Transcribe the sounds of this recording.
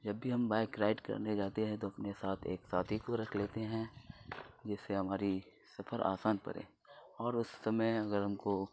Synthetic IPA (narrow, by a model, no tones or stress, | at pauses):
d͡ʒɐbːʱiɦɐmbaːɪkɾaːɪʈkɐ̰ɾned͡ʒaːt̪eɦɛ̃t̪oɐpnesaːt̪ʰḛːksaːt̪ʰikoɾɐkʰleːt̪eɦɛ̃ | d͡ʒɛːseɦɐmaːɾi | sɐfʰəɾʔa̰ːsaːnpɐ̰ɾḛ̃ː | ɔːɾʊsːɐməjɐɡəɾɦɐmko